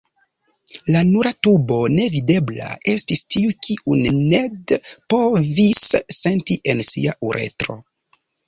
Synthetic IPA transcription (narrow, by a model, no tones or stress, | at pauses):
lanuɾatubo̞ne̞vide̞bla̰e̞stistiukʰiunnedpo̞visːe̞ntiʔe̞nsḭaʔuɾʔe̞̰tɾo̞̰